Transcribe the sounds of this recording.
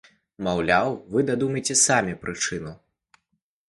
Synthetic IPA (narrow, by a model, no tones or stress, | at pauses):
mawlʲawvɨd̪ad̪umɐjt͡sʲɛsamʲipɾʔɨt͡ʂɨnu